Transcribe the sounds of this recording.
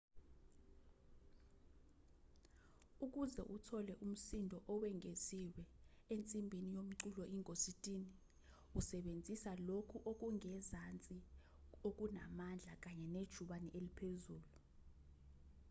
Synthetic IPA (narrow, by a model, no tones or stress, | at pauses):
uk̬uzɛʔutʰɔlɛʔum̩sindʱɔʔɔwɛŋʱeziwɛent͡sʼimbʱinijom̩ǀulɔʔiŋositʼiːni | usɛɓend͡zʱisalokʰuʔok̬uŋɛzant͡sʼi | ok̬una̰mand͡ɮʱak̬aɲɛned̥ʒ̥ʱuɓanɛʔelipʰezuːlu